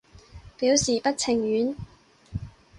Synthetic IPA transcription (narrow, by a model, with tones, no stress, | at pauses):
piː˨˥wsiː˨˩pɐ˥t̚t͡sʰɪ˨˩ŋjyː˨˥n